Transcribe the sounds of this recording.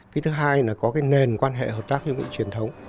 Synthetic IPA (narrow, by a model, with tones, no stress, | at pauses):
ki˨˦jt̪ʰɨ˨˦ɦaː˧jlaː˨˩kɔ˨˦kaː˨˦jne˨˩nkwaː˧nɦḛ˧˨ɦəː˨˩p̚t̪aː˦˥k̚ɲɔ˧vḭ˧˥t͡ɕwi˨˩ənt̪ʰə˨˦wŋ͡m